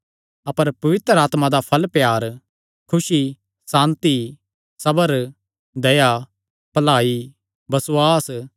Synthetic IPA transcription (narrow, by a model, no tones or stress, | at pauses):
ɐpəɾpɐʋɪt̪ɾəaːt̪mãd̪apʰɐlpjaːɾ | kʰʊsi | sãːnt̪i | sɐbəɾ | d̪ɐja | pɐlaːi | bɐsaːs